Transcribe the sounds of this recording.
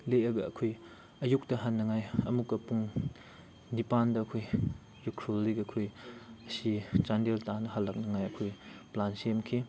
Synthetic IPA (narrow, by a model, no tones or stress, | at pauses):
leɐɡɐːkʰoj | ɐjuk̚tɐɦanːɐŋajɐmukːɐpuŋ | nipandɐːkʰoj | jukʰɾolːiɡɐɐkʰojɐsit͡ʃandeltanɐhalːak̚nɐŋajɐkʰojplansemkʰi